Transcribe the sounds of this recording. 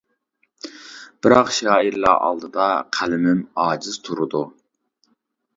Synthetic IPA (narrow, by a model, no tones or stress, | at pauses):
b̥ɪɾɑqʃɑːiɾlˠɑ̰ʔɑ̰lˠd̪ɨd̪ɑqʰælɪmɪmɑːd͡ʒiz̥t̪ʰuɾud̪u